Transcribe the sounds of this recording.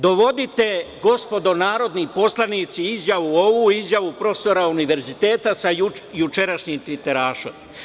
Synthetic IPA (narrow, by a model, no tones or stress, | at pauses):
d̪o̞ʋo̞d̪it̪e̞ɡo̞spo̞d̪o̞naːɾo̞d̪nipo̞slˠaniːt̪siizjaʋuoʋuizjaʋupɾo̞feso̞ɾauniʋe̞ɾzit̪eːt̪asaujut͡ʃeɾaʃɲimt̪it̪eɾaːʃo̰m